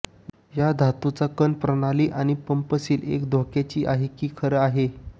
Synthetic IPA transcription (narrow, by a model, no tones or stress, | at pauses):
jad̪ʱat̪ut͡sakənpɾənaliːʔañipəmpəsiːlḛkd̪ʱokat͡ɕiːʔaɦekiːkʰəɾəaɦe